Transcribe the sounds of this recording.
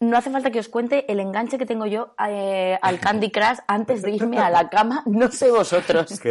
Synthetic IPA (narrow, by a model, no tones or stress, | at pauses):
no̞aθe̞falt̪akeo̞skwe̞nt̪e̞ʔele̞ŋɡant͡ʃe̞ket̪e̞ŋɡo̞ʝo̞ | alkand̪ikɾasant̪e̞zðe̞iɾme̞alakamano̞seβ̞o̞so̞t̪ɾo̞s